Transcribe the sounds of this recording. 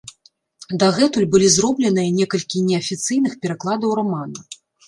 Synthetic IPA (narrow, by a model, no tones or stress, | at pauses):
d̪ɐɣɛt̪ulʲbɨlʲizrɔblʲɛnɨjɐnʲɛkɐlʲkʲinʲɛɐfʲit̪sɨjnɨxpʲɛɾaklˠad̪ɐwɾamanɐ